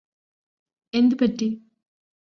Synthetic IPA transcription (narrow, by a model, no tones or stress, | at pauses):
end̪upɐʈːi